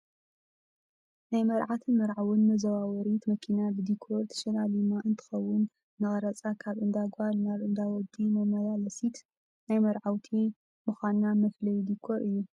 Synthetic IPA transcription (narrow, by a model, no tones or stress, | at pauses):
najmɐɾʕat̪ʰɨnmɐɾʕawɨnmɐzɐwawɔɾit̪mɐkʰinabɨd̪ikʰːoɾt̪ʰɐ̥ʃɐlalimaʔɨnt̪ʰɨ̥xɐwːʊnː | ɨxʼɐɾɐt͡sʼakʰaβʔɨnd̪aɡalnaβɨnd̪awɔd̪imɐmɐjalɐsit̪ | najmɐɾʕawt̪ʰi | mɨxanːamɐflɐjd̪ikʰːoɾʔɨjːu